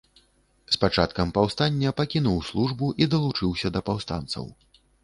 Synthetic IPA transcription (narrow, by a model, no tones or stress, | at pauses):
spat͡ʂat̪kɐmpawst̪anʲːɐpakʲinuwslˠuʐbuʔid̪ɐlˠut͡ʂɨwsʲɐd̪ɐpawst̪a̰nt̪sɐ̰w